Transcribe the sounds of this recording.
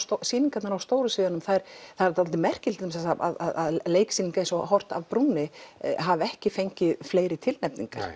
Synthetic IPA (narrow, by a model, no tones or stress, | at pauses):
st̪siːniŋkat̪naɾawst̪oːwɾʏsvɪːðanʏmθajɾ̥θaɾat̪ʰaɔlt̪ɪmɛr̥cɪlt̪ʏms̬ɛsaa̰ða̰ðaðleːjksiːniŋkaejnsɔɦɔr̥t̪a̰vpɾuːnɪɦavɛhcɪfejɲcɪðfleːjɾɪt̪ʰɪlnɛpnḭŋka̰ɾ̥